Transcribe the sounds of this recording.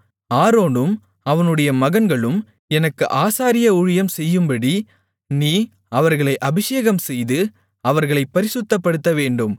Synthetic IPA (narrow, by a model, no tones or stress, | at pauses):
aːɾoːnɯm | ɐʋɐnɯɽɐjɐmɐɣɐnɡɐɭɯm | ɛnɐkːɯʔaːsaːɾɪjɐʊɻɪjɐmsɛjːɯmbɐɽi | niː | ɐʋɐɾɣɐɭɐɪʔɐbɪʂeːɣɐmsɛjðɯ | ɐʋɐɾɣɐɭɐɪpːɐɾɪsɯt̪ːɐpːɐɽɯt̪ːɐʋeːɳɖɯm